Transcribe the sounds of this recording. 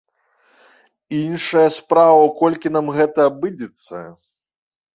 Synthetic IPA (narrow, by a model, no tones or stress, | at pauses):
inʂɐjɐspɾavɐwkɔlʲkʲinamɣɛt̪ɐːbɨd͡zʲɛt̪sːɐ̰